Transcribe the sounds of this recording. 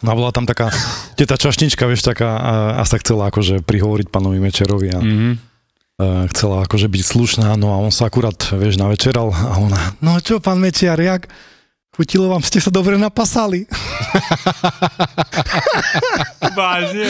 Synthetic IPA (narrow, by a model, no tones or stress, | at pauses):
ɔnabɔlat̪amt̪akaːcɛt̪aːt͡ʃaʃɲit͡ʃkaʋɪɛʃt̪akaːa̰saxt͡sɛlaakɔʒɛpɾiɦɔʋɔɾic̚paːnɔʋimɛt͡ʃɪaɾɔʋia | xt͡sɛlaakɔʒɛbicsluʃnaːnɔaɔnsaakuɾaːt̪ʋɪɛʒnaʋɛt͡ʃɛɾalaɔnanɔt͡ʃɔpaːnmɛt͡ʃɪaɾjak | xucilɔʋaːmscɛsad̪ɔbɾɛnapasali | baʒɛ